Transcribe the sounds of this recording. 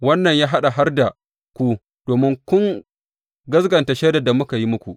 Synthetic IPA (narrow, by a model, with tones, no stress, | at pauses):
wɐ˦nːɐ˨ɲjaː˦ɦa˦ɗa˨ɦa˦rda˨ | kʷu˦ | d̥oː˨mɪ˦ŋkʷʊ˦ŋ | ɡɐ˦sɡɐ˨nta˨ʃeː˦da˨da˨mʊ˦ka˨ji˦mʊ˦kʷu˨ʔ